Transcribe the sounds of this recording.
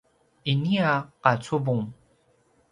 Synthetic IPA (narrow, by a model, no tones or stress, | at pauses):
iniaqat͡subuŋ